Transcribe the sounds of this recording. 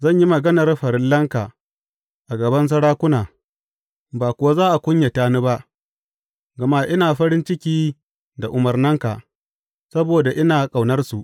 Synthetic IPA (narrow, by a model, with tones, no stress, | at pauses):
zɐ˦˨ɲji˦mɐ˨ɡɐ˦nɐ˨rɸɐ˨ɾɪ˦lːɐ˦ŋka˨ | ʔa˨ɡɐ˨bɐ˦ns̬ɐ˦ɽaː˦kʷʊ˦naː˨ | baː˨kʷʊ˨wa˦zaː˦ʔa˨kʷʊ˦ɲja˨taː˦nu˦ba˦ʔ | ɡɐ˨ma˦ʔɪ˦naː˨ɸɐ˦ɾɪ˦nt͡ʃɪ˦kʲiː˦ | da˨ʔʊ˨mɐ˨rnɐ˦ŋka˨ | sɐ˦boː˨da˨ʔɪ˦naː˨kʼa˨wnɐ˦rsu˨ʔ